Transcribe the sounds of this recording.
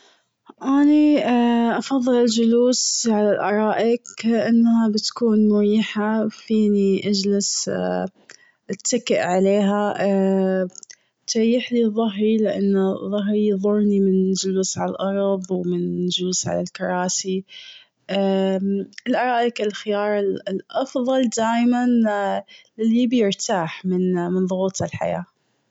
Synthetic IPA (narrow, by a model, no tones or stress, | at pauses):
ʔaniʔɑfɑðˤːɨlɪld͡ʒʊluːsʕalalʔɑɾˤɑːʔɪkʔanːhabɪt̪kuːnmʊɾiːħafiːniʔad͡ʒlɪs | ʔɪt̪ːakɪʔʕaleːɦa | t̪ɾjːɪħliðˤːɑɦɾilɪʔa̰nːðˤːɑɦɾijðˤʊɾˤnimɪnd͡ʒʊluːsʕalalʔɑɾˤðˤwmɪnd͡ʒuːsʕa̰lalkɑɾˤɑːsi | ʔa | ɪlʔɑɾˤɑːʔɪkalxɪjɑːɾˤɪllʔɑfðˤɑld̪aːjman | ɪlːibjɪɾt̪ʰaːħmɪnmɪnðˤʊɣuːt̪ˤɪlħa̰ja̰ː